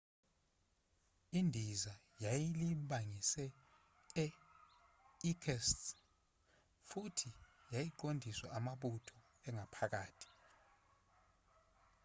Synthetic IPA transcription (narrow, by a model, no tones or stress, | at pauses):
indʱiza | jajiliɓaŋisɛ | ɛ | ikʰɛst | futʰijajiǃondʱiswaʔamaɓutʰɔ | ɛŋʱapʰak̬aːtʰi̥